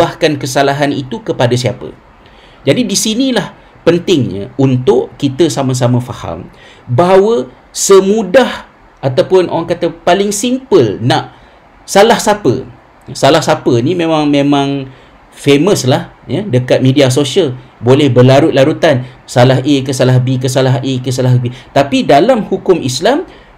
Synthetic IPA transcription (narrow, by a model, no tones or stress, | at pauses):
ahkankəsalaɦanḭt̪ukəpadas̬iapə̰ | d͡ʒadidisinilah | pənt̪ɪŋɲã̰unt̪ʊʔkit̪əsamãs̬amãfaha̰m | baɦwə | səmũdah | ʔat̪awpʊnʔo̰ɾaŋkat̪əpalɪŋsimpəlnaʔ | salahsapə̰ | salahsapənimẽmãŋmẽmãŋ | feməslahjədəkat̪̚mẽdias̬osialbolɛhbəlaɾʊt̪̚laɾut̪ansalaɦʔekəsalahbik̬əs̬alaɦekəs̬alaɦbit̪apidalamhukʊmʔislam